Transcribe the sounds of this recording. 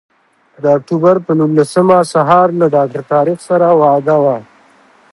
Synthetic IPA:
d̪əak̚ʈubaɾpənunːasəmasaɦɑɾlaɖɑk̚ʈaɾt̪ɑːɾixsaɾawɑd̪awa

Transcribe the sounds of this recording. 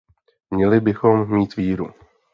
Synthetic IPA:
mɲɛlɪbɪxomːiːt̪viːɾu

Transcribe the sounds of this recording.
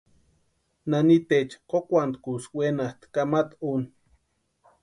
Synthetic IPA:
nanit̪et͡ʃqokʷant̪kuswenast̪kamat̪un

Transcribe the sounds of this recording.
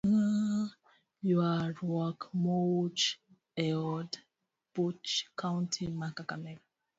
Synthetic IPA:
a | juaɾwɔkmot͡ʃ | ɛɔd | b̥ut͡ʃkʰãʊ̃ntʰimakakamɛɾa

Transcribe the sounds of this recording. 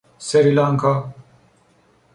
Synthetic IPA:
seɾilaːŋkʰa

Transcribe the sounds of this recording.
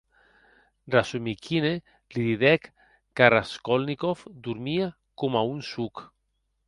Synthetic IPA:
rasumikʰine | liðiðɛkː | aɾaskolnikofd̪uɾmia | komaunsuk

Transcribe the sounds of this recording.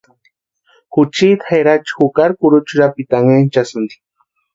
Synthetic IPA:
xut͡ʃit̪xeɾat͡ʃxukaɾkuɾʊt͡ʃuɾapit̪aŋent͡ʃasʊnd̪i̥

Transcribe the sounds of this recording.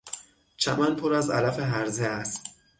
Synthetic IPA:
t͡ʃʰæ̰mænpʰoɾæzæ̰læfeɦæɾzeæst̪̚

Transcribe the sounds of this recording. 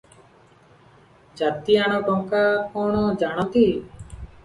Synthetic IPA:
d͡ʒat̪ijaɽ̃ɔkɔŋkakɔɽ̃ɔd͡ʒaɽ̃ɔt̪i

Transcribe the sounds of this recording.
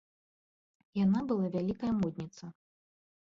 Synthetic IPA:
janabɨlˠavʲalʲikɐjɐmɔd̪̚ʲnʲit̪sɐ

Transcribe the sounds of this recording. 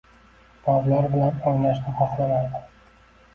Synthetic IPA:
bɒvlaɾbɪlanɒŋlaʃnɪχɑχlamaɾd̪ɪ

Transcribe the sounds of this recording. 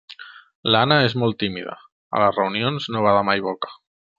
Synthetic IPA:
laanae̞zmolt̪imiða̰ | a̰lazreunjonznoβ̞aðamajβokḁ

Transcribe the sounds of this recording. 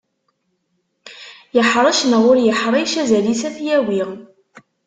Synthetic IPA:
jəħɾˤɑʃnəʁʊɾjəħɾˤɑjʃæzælisæθjæwiʁ

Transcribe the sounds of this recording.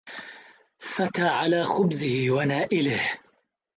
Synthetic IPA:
fat̪aːʕalaːxʊbzɪhɪwanaːʔɪlɪh

